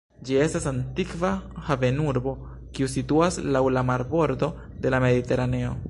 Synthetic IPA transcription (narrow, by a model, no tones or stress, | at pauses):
d͡ʒie̞stasantikvahave̞nuɾbo̞ | kiusituaslawlamaɾbo̞ɾdo̞ | de̞lame̞dite̞ɾane̞o̞̰